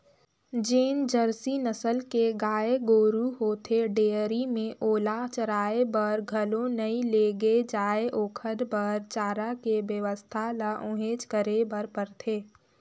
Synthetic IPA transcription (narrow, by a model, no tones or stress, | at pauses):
d͡ʒeːnd͡ʒəɾsinəsəlkeɡaːeɡoːɾuɦoːt̪ʰeɖeːəɾimẽʔoːlat͡ʃəɾaːebəɾɡʱəlõnɐĩleːɡed͡ʒaːeʔoːkʰəd̪bəɾt͡ʃaːɾakebjəʋəst̪ʰalaʔʊ̃ɦeːt͡ʃkəɾebəɾpəɾt̪ʰeː